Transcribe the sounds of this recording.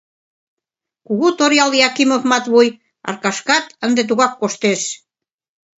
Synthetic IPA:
kuɣut̪oɾjɑljɑkimofmɑt̪βuj | ɑ̰rkɑʃkɑt̪ənd̪et̪̬uɣɑkːoʃt̪eʃ

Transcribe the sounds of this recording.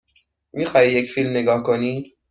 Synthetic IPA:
miːxɒːhijecfiːlmne̞ɡɒːhkʰoniː

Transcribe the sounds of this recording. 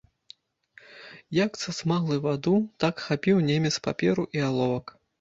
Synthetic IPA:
jakt̪sɐsmaɣlˠɨvad̪ut̪akxapʲiwnʲemʲɛtspa̰pʲɛɾuʔialˠɔvɐk

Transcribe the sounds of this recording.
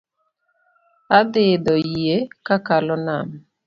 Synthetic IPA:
ad̪ɪd̪ɔekakalɔnam

